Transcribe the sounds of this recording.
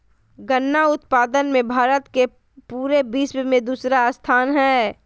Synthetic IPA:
ɡənːaʊt̪paːd̪ənmẽbʱaːɾət̪ke | puːɾebiːswmẽd̪uːsɾast̪ʰaːnɦɛː

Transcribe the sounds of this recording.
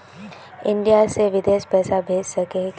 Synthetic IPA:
ɪ̃ɳɖijaseʋɪd̪eːʃpɛːsabʱeːd͡ʒsɐke

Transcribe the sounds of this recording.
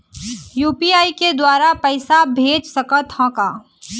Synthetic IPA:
juːpiːaːiked̪waːɾapɛːsabʱeːd͡ʒsɐkət̪hɔ̃kaː

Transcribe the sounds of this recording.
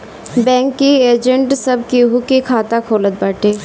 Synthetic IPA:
bɛ̃ːŋkːieːd͡ʒə̃ɳʈsɐb̚kiɦukikʰaːt̪akʰoːlət̪̚baːʈeː

